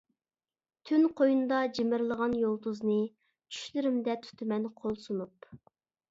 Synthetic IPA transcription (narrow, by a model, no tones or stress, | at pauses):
t̪ʰynqʰojund̪ɑd͡ʒemɪɾlˠəʁɑnjolˠt̪uznɨ | t͡ʃʰy̥ʃlɪɾɪmd̪ɛt̪ʰy̥t̪ʰɪmɛnqʰolˠsunup